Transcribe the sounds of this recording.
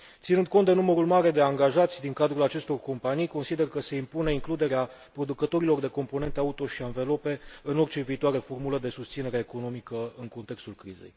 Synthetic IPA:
tt̪sinɨnd̪̚ko̞nt̪d̪e̞numəɾulmaɾe̞d̪e̞aŋɡaʒat̪sʲd̪iŋkad̪ɾulat͡ʃe̞st̪o̞rko̞mpanijko̞nsid̪e̞rkəse̞impune̞iŋklud̪e̞ɾea | pɾo̞d̪ukət̪o̞ɾilo̞rd̪e̞ko̞mpo̞ne̞nt̪eaut̪o̞ʃianve̞lo̞pe̞ɨno̞rt͡ʃe̞viːt̪oaɾe̞fo̞rmuləd̪e̞sust̪sine̞ɾeeko̞no̞mikəɨŋko̞nt̪e̞kst̪ulkɾize̞̰j

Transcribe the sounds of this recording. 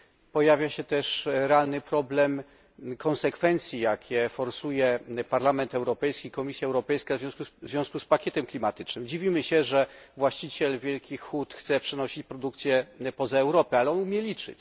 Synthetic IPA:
pɔjavʲjaɕɛt̪ɛʂɾɛalnɘpɾɔblɛm | kʰɔnsɛkfɛnt̪sʲjijakʲʰɛfɔɾsujɛpaɾlamɛnt̪ɛwɾɔpɛjskʲikɔmʲisʲjaɛwɾɔpɛjskavzvjɔ̃skuzvʲjɔ̃skuspakʲjɛt̪ɛmklʲimat̪ɘt͡ʂnɘmd͡ʑivʲimɘɕɛʐɛvwaɕt͡ɕit͡ɕɛlvʲjɛlkʲixːut̪xt̪sɛpʂɛnɔɕit͡ɕpɾɔd̪uk̚t̪sʲjɛpɔzaɛwɾɔpɘalɛɔnumʲjɛlʲit͡ʂɘ̰t͡ɕ

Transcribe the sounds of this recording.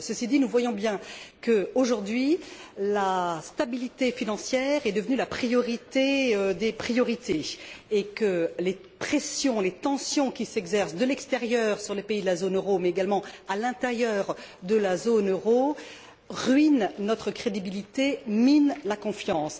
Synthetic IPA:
səsid̪inuvwajɔ̃bjɛ̃kəoʒuʁd̪ɥilast̪abilit̪efinɑ̃sjɛːʁɛd̪əvənylapχijɔʁit̪eød̪epχijɔʁit̪ʰeː | kəle | pχesjɔ̃let̪ɑ̃sjɔ̃kʲisɛɡzɛʁsd̪əlɛkst̪eʁjœʁsyʁlepeid̪əlazonøʁomɛeɡalmɑ̃alɛ̃t̪ɛʁjœʁd̪əlazonøʁo | ʁɥinnɔt̪χəkχed̪ibilit̪eminlakɔ̃fjɑ̃s

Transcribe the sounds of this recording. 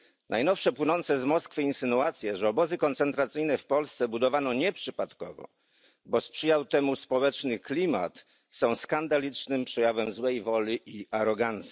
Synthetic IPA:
nʔajnɔfʂɛpwɘnɔnt̪sɛzmɔskfɘinsɘnuat̪sʲjɛʐɛɔbɔzɘkɔnt̪sɛnt̪ɾat̪sɘjnɛfpɔlst̪sɛbud̪ɔvanɔɲɛpʂɘpat̪kɔ̰vɔ̰ | bɔspʂɘjawt̪ɛmuspɔwɛt͡ʂnɘklʲima̰t̪ | sɔ̃w̃skand̪alʲit͡ʂnɘmpʂɛjavɛmzwɛjvɔlʲiʔiaɾɔɡant̪sʲji̥

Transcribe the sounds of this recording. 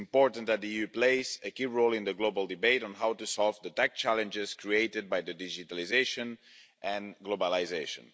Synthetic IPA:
mpɔɹtə̃nðæt̪̚ðiiupleɪzɨkiɹoʊlˠɪ̃nðəɡloʊbəlˠdɨbeɪɾ̃n̩ɦawtusɔlˠvðətæk̚t͡ʃælə̃nd͡ʒɪz̥kʰɹieɪtɨd̪̚bajðədid͡ʒitalizeɪʃə̃n | ʔɨ̃nɡlobalizeɪʃə̰̃n

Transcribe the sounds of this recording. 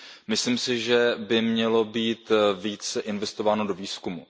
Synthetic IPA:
mɪsliːmsɪʒɛbɪmɲɛlo̞biːt̪viːt͡sɛʔɪnvɛst̪o̞vaːno̞do̞viːskumu

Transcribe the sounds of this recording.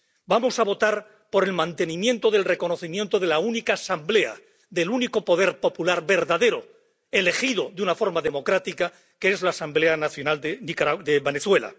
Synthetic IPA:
bamo̞saβo̞t̪aɾ | po̞ɾe̞lmãnt̪e̞nĩmjẽ̞nt̪o̞ðe̞lre̞ko̞no̞θimje̞nt̪oð̞e̞launikaːsamble̞a̰ | ðe̞luniko̞po̞ðe̞ɾpo̞pulaɾβe̞ɾðaðe̞ɾo̞ | e̞le̞xiðo̞ðunafo̞ɾmaðe̞mo̞kɾat̪ika | keezlaːsambleanaθjo̞nald̪enikaɾad̪eβe̞neθwe̞la̰

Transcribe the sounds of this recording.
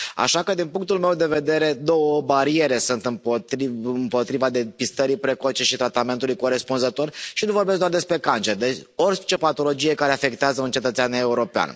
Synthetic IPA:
a̰ʃakəd̪inpuŋk̚t̪ulme̞wd̪e̞ve̞d̪e̞ɾe̞d̪o̞wəbaɾie̞ɾe̞sunt̪ɨmpot̪ɾimpo̞t̪ɾivad̪e̞pist̪əɾipɾe̞ko̞t͡ʃe̞ʃit̪ɾat̪ame̞nt̪ulujko̞ɾe̞spunzət̪o̞rʃinuvo̞rbeskd̪ard̪e̞spɾe̞kant͡ʃe̞rd̪et͡ʃʲo̞rʲt͡ʃe̞pat̪o̞lo̞d͡ʒije̞kaɾeafe̞k̚t̪eazəunt͡ʃe̞t̪ət̪seane̞uɾo̞pea̰n

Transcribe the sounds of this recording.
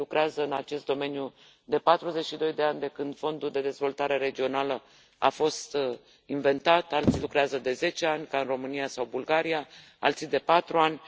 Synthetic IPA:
lukɾeazəɨnat͡ʃe̞st̪d̪o̞me̞nju | d̪e̞pat̪ɾuze̞t͡ʃʃid̪o̞jd̪e̞anʲd̪e̞kɨnd̪̥fo̞nd̪uld̪e̞d̪e̞zvo̞lt̪aɾe̞ɾe̞d͡ʒio̞nalə | a̰fo̞st̪ | inve̞nt̪at̪alt̪silukɾeazəd̪e̞ze̞t͡ʃe̞anʲkaɨnro̞mɨnijasawbulɡaɾija | a̰lt̪sid̪e̞pat̪ɾuanʲ

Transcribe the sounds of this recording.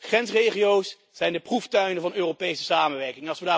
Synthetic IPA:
χrɛnsrejχijowsː | ɛjndəpruftœɥnəvɑnøːropejsə̥saːmənʋɛɹkɪŋnɑlˠsʋədaː

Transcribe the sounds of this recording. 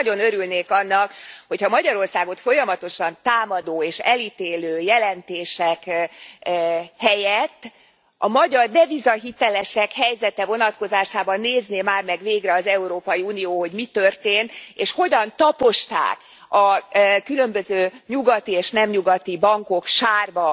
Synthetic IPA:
ɟo̞nøɾylneːkɒnːɒkho̞chɒmɒɟɒɾo̞rsaːɡo̞t̪fo̞jɒmɒt̪o̞ʃɒnt̪aːmɒd̪oːeːʃɛlit̪eːløːjɛlɛnt̪eːʃɛk | hɛjɛt̪ː | ʔɒmɒɟɒrd̪ɛvizɒɦit̪ɛlɛʃɛkhɛjzɛt̪ɛvo̞nɒt̪ko̞zaːʃaːbɒnːeːzneːmaːrmɛɡveːɡrɛɒzɛuɾoːpɒjiunijoːho̞ɟmit̪ørt̪eːnt̪eːʃho̞ɟɒnt̪ɒpo̞ʃt̪a̰ːk | ɒkylø̞mbøzøːɲuɡɒt̪ieːʃnɛmɲuɡɒt̪ibɒŋko̞kʃaːrbɒ

